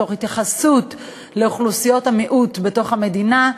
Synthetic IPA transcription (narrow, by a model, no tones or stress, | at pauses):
o̞χhitjaχasut | leuχlusijo̞thamiʔutbe̞to̞χame̞dina